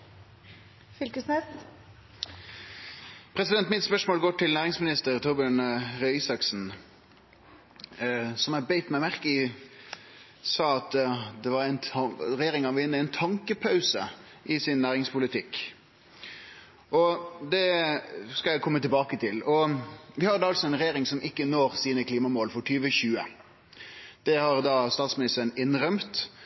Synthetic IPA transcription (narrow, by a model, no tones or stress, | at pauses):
fʏlkəsnɛs | pʰɾɛsɪd̪ɛnt̪mɪt̪spœʂmoːlɡoːʈɪlnæːʁɪŋsmɪnɪst̪əɾt̪ʰɔbɪənʁœɪsɑksn̩ | sɔmæbeɪt̪mæɪmæʁkə | sɑːɑt̪d̪ɛʋɑɾæɪnɾɛjeːɾɪŋɑnʋɪnːəæɪnt̪ʰɑŋkəpʰɑʉsə | ʔɪsɪnːæːɾɪŋspʰʊlɪt̪ʰɪkː | ʔɔd̪ɛ | skɑjæɪkʰɔmːət̪ɪlbɑːkət̪ʰɪlɔʋɪhɑd̪ɛɑlsɔæɪnʁɛjeːɾɪŋsɔmʔɪkːənoːɾsiːnəkʰliːmɑmoːlfɔʈʰyːʋəçʉːə | d̪̥ɛhɑɾd̪ɑst̪ɑːt̪smɪnɪst̪əɾənɪnɾœmt̪